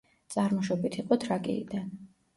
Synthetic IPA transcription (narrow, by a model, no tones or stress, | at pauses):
t̪sʼaɾmɔʃɔbit̪ʰiqʼɔt̪ʰɾakʼḭḭd̪an